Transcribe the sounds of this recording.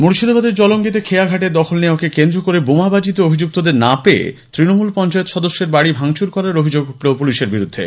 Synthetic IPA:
muɾʃid̪obad̪eɾd͡ʑɔloŋɡit̪̬ekʰeaɡʱaʈeɾd̪ɔkʰolneoakekend̪ɾokoɾebomabad͡ʑit̪oobʱid͡ʑuk̚t̪od̪eɾnapeḛt̪ɾinomulpɔnt͡ɕaet̪ʃɔd̪oʃːeɾbaɽibʱaŋt͡ɕuɾkɔɾaɾobʱid͡ʑoɡɦuʈlopuliʃeɾbiɾud̪ʱːḛ

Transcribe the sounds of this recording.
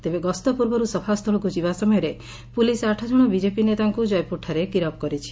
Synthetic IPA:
t̪ebeɡɔst̪ɔpuɾbɔɾusɔpʰast̪ʰɔɭɔkud͡ʒibasɔmɔjɔɾe | pulisaʈʰad͡ʒɔɽ̃ɔbid͡ʒepinet̪aŋkud͡ʒɔjpuʈʰːaɾekiɾɔpkɔɾit͡ʃʰi̥

